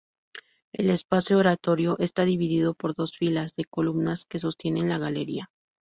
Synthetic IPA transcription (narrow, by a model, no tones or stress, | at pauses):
e̞̰le̞spasjooɾat̪o̞ɾjo̞ʔe̞st̪aðiβiðiðo̞po̞ɾðo̞sfilazðe̞ko̞lumnaske̞s̬o̞st̪je̞ne̞nlaɣale̞ɾia